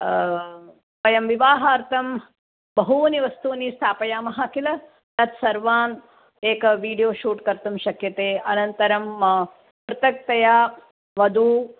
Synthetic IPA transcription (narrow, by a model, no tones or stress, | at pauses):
pɐjɐmʋiʋaːɦɐːɾt̪ʰɐm | bɐɦuːniʋɐst̪ʰuːnist̪ʰaːpɐjaːmɐɦaːkilɐ | t̪ɐt̪sɐɾʋaːn | eːkɐʋiːɖijoːʃuːʈkɐɾt̪umʃɐkjɐt̪eːɐnɐnt̪ɐɾɐm | pɾɐt̪ɐk̚t̪ɐjaː | ʋɐd̪ʱuː